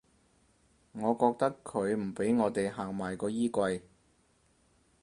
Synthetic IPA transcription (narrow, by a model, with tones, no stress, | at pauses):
ŋɔː˨˧kɔː˧k̚t̪ɐ˥kʰːɵ˨˧ɥm̩˨˩pe˨˥jŋɔː˨˧t̪e˨jɦaː˨˩ŋmaː˨˩jkɔː˧jiː˥kʷɐ˧j